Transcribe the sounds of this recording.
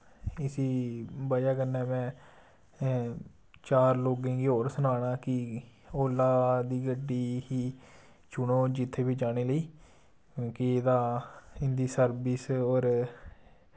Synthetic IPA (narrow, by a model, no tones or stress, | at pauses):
ɪsiːbaːjaːkənɛːmɛ̃ː | t͡ʃaːɾloːɡẽːɡioːɾsʊnaːɽ̃aːkɪ | oːlːaːd̪iːɡəɖːiːɦiː | t͡ʃʊɳoːd͡ʒɪt̪ʰːeːbiːd͡ʒaːɽ̃eːləiː | õːkɪeːd̪aːɪnd̪iːsəɾbiːsoːɾ